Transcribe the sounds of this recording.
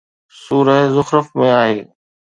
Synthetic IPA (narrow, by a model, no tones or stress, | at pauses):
suːɾəɦzʊxɾəfmẽaːɦeː